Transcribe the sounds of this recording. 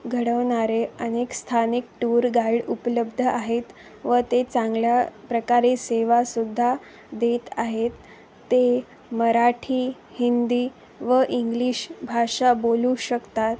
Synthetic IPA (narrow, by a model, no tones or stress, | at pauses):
ɡʱəɽəʋɳaɾeənekst̪ʰanik̚ʈuɾɡajɽupləbd̪ʱəʔaɦet̪ | ʋət̪et͡sãŋɡljapɾəkaɾeseʋasud̪ʱːa | d̪et̪aɦet̪ː | e | məɾaʈʰiː | hind̪iː | ʋəʔiŋɡliɕbʱaʂaboluɕəkt̪at̪